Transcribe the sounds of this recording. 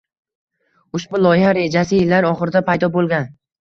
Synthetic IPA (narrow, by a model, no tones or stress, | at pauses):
ʊʃbʊlˠɒjɪhaɾe̞d͡ʒasɪjɪlːaɾɒχɨɾɪd̪apʰajd̪ɒbolˠɡʲan